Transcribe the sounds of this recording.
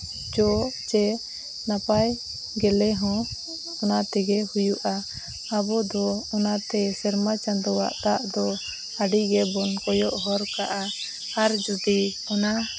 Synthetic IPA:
d͡ʒɔʔt͡ʃɛ | napaj | ɡɛlɛɦɔ̃ | ɔnat̪ɛɡɛhujuʔaː | bɔd̪ɔɔnat̪ɛsɛɾmat͡ʃand̪ɔwa̰ʔt̪aʔd̪ɔ | aɖiɡɛbɔnkɔjɔʔɦɔɾkaʔa | aɾd͡ʒud̪i | ɔna

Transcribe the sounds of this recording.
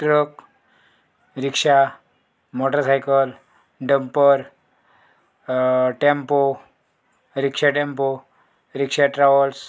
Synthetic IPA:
t̪ɾək | ɾikʂa | mɔʈəɾsajkəl | ɖəmpəɾ | ʈempo | ɾikʂaʈẽmpo | ɾikʂaʈɾaʋəls

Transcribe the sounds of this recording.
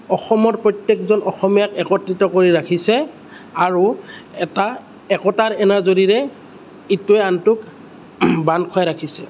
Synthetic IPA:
ɔxɔmɔtpɹɔjtjekzɔnʔɔxɔmijakɛkɔtɹitɔkoɹiɹakʰisɛ | aɹuɛta | ɛkɔtaɹɛnazoɹiɹɛ | ituɛantʊk | bankʰʊajɹakʰisɛ̰

